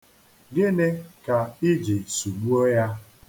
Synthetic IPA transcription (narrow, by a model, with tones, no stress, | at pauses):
ɡɪ˦ne˦ka˨ɪ˦d͡ʒi˨su˨ɡ͡bu˦o˦ja˦